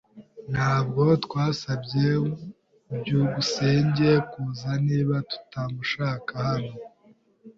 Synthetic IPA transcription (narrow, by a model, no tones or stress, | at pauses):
n̥haːb̚ɡo̞tkwaːsabɟe | bɟuɡuseːɲɟe̞kuːzaniːβatu̥tamuʃaːkahano̞